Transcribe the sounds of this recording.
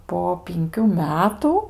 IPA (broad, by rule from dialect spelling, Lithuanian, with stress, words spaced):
poː pʲɪŋʲˈkʲuː ˈmʲæːtʊ